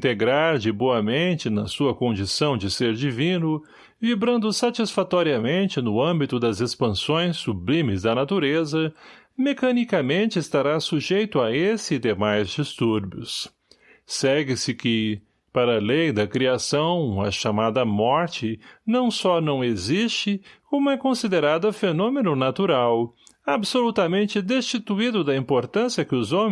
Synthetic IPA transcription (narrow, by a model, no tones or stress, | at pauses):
ĩt̪eɡɾaɾd͡ʒɪboɐmẽnt͡ʃɪnɐsuɐkõnd͡ʒisɐ̃w̃d͡ʒɪseɾd͡ʒivĩnʊ | vibɾɐ̃nd̪ʊsat͡ʃisfat̪ɔɾiɐmẽnt͡ʃɪnʊɐ̃mbit̪ʊd̪ɐzespɐ̃sõj̃sːublĩmɪzd̪ɐnat̪uɾezɐ | mekɐnikɐmẽnt͡ʃɪɪst̪aɾasuʒejt̪ʊɐesɪd̪emajzd͡ʒist̪uɾbjʊs | sɛɡɪsɪkɪ | paɾɐlejd̪ɐkɾiasɐ̃w̃ɐ̰ʃamad̪ɐmɔɾt͡ʃɪnɐ̃w̃sɔnɐ̃w̃ezist͡ʃɪkõmʊɛkõsid̪eɾad̪ɐfenõmenʊnat̪uɾawabsolut̪ɐmẽnt͡ʃɪd̪est͡ʃit̪uid̪ʊd̪ɐĩmpoɾt̪ɐ̃siɐkɪʊzõm